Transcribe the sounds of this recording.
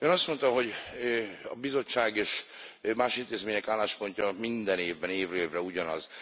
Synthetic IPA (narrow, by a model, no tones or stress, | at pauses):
øːnɒst̪mo̞nt̪ɒɦo̞ɟ | ɒ̰bizo̞t͡ʃːaːɡeːʃmaːʃint̪eːzmeːɲɛkaːlaːʃpo̞ɲcɒmind̪ɛneːvbɛneːvreːvrɛuɟɒnɒ̰z